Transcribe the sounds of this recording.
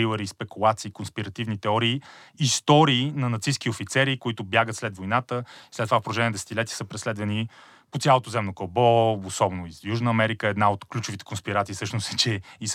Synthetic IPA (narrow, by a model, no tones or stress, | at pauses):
ivˠəɾispɛkulˠat̪siːkonspiɾɐt̪ivnit̪ɛɔɾiːist̪ɔɾiːnɐnɐt̪sisk̟iofit̪sɛɾikoit̪ʊbjaɡət̪slɛd̪vojnat̪əislɛt̪ːovafpoɾlˠoʒɛniɛnd̪ɛsɛ̥t̪ʲilɛt̪ʲiɛ̥səpɾɛslɛd̪vɐni | pot̪sjalˠot̪ozɛmnokolˠbɔosɔbnoizjuʒnəɐmɛɾikəɛd̪naot̪klʲut͡ʃʊvit̪ɛ̥konspiɾat̪siːsɤʃnʊsɛt͡ʃɛis